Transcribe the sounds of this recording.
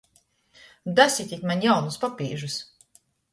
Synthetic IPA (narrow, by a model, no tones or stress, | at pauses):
d̪asʲit̪ʲit̪ʲmanʲjawnuspapʲiːʒus